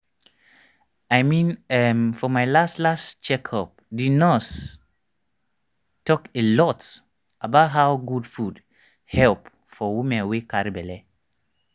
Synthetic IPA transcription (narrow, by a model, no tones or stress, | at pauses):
ajmĩnɛmfɔmajlastlast͡ʃɛkʰhɔp̚didnɔt | tːɔkelɔt | abaʊt̚ɦawɡudfud | hɛlp | fɔwimɛ̃nwikaɾibɛlɛ